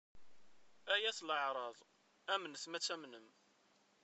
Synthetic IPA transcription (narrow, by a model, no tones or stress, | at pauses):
æjæsləʕɾˤɑðˤ | æmənəsmæt͡sːæmnəm